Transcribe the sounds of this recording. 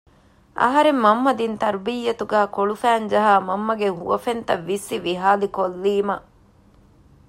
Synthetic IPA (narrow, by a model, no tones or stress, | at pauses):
ʔɐ̰ɦɐɾemːɐmːɐd̪int̪ɐɾbijːɐt̪uɡæːkoɭufæːnd͡ʒɐɦaːmɐmːɐɡeɦuʋɐfent̪ɐʋːisːiʋiɦaːlikolːiːmɐ